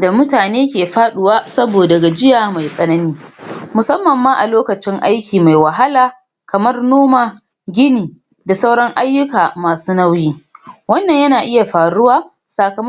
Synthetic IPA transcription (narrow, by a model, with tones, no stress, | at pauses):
da˨mʊ˦taː˨neː˦kʲeː˨ɸaː˦ɗʊ˨waː˦sɐ˦boː˨dɐ˨ɡa˨d͡ʒɪ˦jaː˨ma˨jsʼɐ˦nɐ˦niː˦mʊ˨sɐ˦mːɐ˨mːaː˦ʔa˨loː˦kɐ˨t͡ʃɪ˦ŋʔa˦jkʲiː˨ma˨jwa˨ɦa˦laː˨ | kɐ˨mɐ˦rnoː˦maː˨ | ɡʲɪ˦niː˨ | da˨sa˦wɽɐ˦ŋʔa˦jːʊ˦kaː˨maː˨suː˦na˦wjiː˦wɐ˦nːɐ˨ɲjɐ˦naː˨ʔɪ˦ja˨ɸaː˨ɽʊ˦waː˦ | saː˨kɐ˨m˦